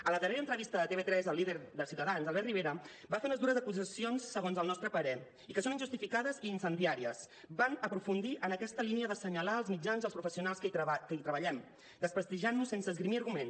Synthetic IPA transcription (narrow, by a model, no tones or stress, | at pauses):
ələðəreɾəːnt̪ɾəβist̪əðət̪eβet̪ɾɛzəlːiðəɾðəsiuwt̪əðanzalˠβɛrt̪riβeɾə | bafeunəzðuɾəzəkuzəsionsːəɣonzəlˠnɔst̪ɾəpəɾɛ | ikəsoninʒust̪ifikaðəziːnsənd̪iaɾiəs | banəpɾufund̪iʔənəkɛst̪əliniəðəsəɲəlaəlˠzmid͡ʒanzðəlˠspɾufəsiunalˠskəkəit̪ɾəβəʎɛm | d̪əspɾəst̪iʒanːusensəːzɣɾimiəɾɣumen